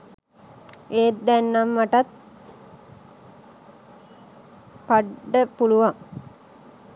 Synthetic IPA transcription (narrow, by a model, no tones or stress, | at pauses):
ʔeːt̪d̪ænːamːaʈat̪̚ | kaɖəpuluʋaŋ